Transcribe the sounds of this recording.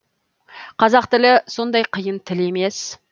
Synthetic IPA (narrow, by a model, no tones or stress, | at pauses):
qʰɑzɑq̚t̪ɪlɪso̞nd̪ɑjqʰəjənt̪ʰɪle̞me̞s